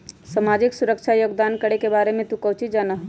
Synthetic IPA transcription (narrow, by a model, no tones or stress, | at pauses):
samaːd͡ʒɪksʊɾəkʃʰajoːɡd̪aːnkəɽekebaːɾemẽt̪ukɐwt͡ʃid͡ʒaːnaɦo